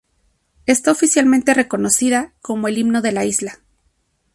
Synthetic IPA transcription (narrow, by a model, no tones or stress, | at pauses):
est̪aofisjalmẽ̞nt̪e̞re̞ko̞no̞siðako̞mo̞e̞liβno̞ðe̞laizla